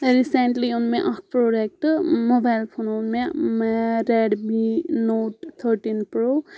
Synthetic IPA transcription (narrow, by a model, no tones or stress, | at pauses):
ɾiseɳʈliunmeʔapɾoɖek̚ʈmobajlpʰonunmemaɾeɖbinoʈt̪ʰːəɾʈinpɾo